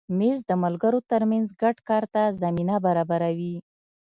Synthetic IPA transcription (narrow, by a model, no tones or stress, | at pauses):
mezd̪əmalɡəɾot̪əɾmanzɡaɖkɑɾt̪azaminabaɾɑbaɾawi